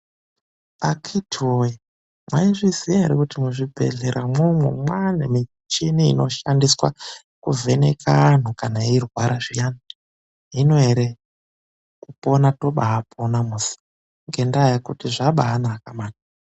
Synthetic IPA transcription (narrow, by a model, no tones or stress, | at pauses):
akʰitʰiwoji | mwaiʐizijaeɾekutimuʐibʱe̞̰ɮeɾʔamwomwḛmwanemi | t͡ʃiniḭno̞ʃandiswa̰ | kuvʱe̞nekʰaːn̤ukanairwaɾaʐijana | ino̞eɾe | kupo̞nato̞ɓaapʰonamusi̥ | ŋɡe̞ndajakutiʐaɓaɦːnaːkamaːna